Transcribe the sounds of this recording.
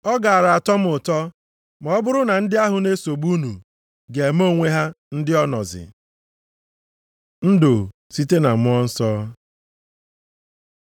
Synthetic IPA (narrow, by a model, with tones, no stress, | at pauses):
ɔ˦ɡa˨a˨ɾa˨a˨tɔ˦m̩˦ʊ˨tɔ˦ | m˨ɔ˦bʊ˦ɾʊ˦na˨n̩˦dɪ˦a˦ɦʊ˨ne˦so˨ɡ͡bu˦nu˨ | ɡe˨m˦o˦˨ŋʷe˦ɦa˦ | n̩˦dɪ˦ɔ˦nɔ̰˨zɪ̰˨ | n̩˦do˨ | si˦te˦na˨mʊ˦ɔ˦n̩˦sɔː˦